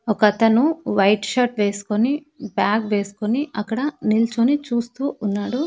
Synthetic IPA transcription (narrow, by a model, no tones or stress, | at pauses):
ɔkɐt̪ɐnuʋɐjʈʃɐʈʋe̞ːsu̥koni | baːkʋe̞ːsu̥koniʔɐkːɐɽɐnilt͡ʃonit͡ʃuːst̪uːʔunːaːɽu